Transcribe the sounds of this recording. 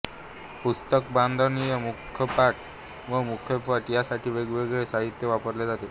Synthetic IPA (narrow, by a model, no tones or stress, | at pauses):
pust̪əkband̪ʱənijəmukʰjəpaʈ̚ | ʋəmukʰjəpaʈjasaʈʰiːʋeɡʋeɡɭesaɦit̪jəʋapəɾled͡zat̪e